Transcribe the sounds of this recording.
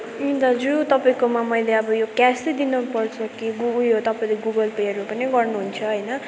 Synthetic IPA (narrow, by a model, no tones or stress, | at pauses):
id̪ʌd͡zut̪ʌpaĩkomamʌjleʌbʌjokased̪inʌpʌrt͡sʰʌkiɡuuɦot̪ʌpaĩleɡuɡʌlpeʌɾupʌniɡʌrnuɦunt͡sʰʌɦʌjnʌ